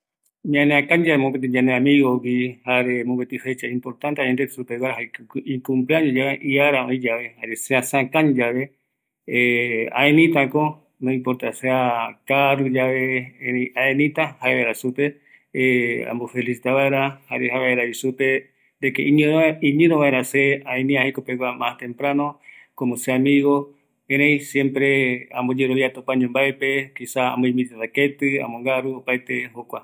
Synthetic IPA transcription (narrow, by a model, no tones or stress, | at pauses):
ɲãneakãɲd͡ʒaβemõpet̪ed͡ʒãneãmĩɣowihaɾemõbet̪ifet͡ʃaĩmpoɾt̪ãnt̪eaɲãnd̪esupeβaɾaɦaikũmplaɲẽd͡ʒaβeʔiaɾaõĩd͡ʒaβehaɾeseasãkãɲd͡ʒaβe | ea̰ẽnĩt̪ako | nõĩmpoɾt̪aseakaɾud͡ʒae | aẽnĩt̪ahaeeɾasupe | a̰mbofelisit̪aβaeɾahaɾehaβeɾaβisupe̞ | d̪ekḛʔĩɲẽoĩɲẽɾõβãeɾaseaẽnĩahekopeɡʷamast̪ẽ̞mpɾanõ | komoseamiɣo | eɾej̃sjẽmpɾe̞ãmbod͡ʒeɾoβjiat̪upãɲõmbaepe̞kisaa̰mboĩmbit̪et̪aket̪ɨã̰mõŋɡaɾuopajt̪e̞hokʷa